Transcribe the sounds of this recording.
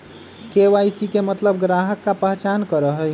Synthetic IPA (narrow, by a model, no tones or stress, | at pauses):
keʋajsikemət̪ləb̚ɡɾaɦəkːapəɦt͡ʃankəɾəɦəj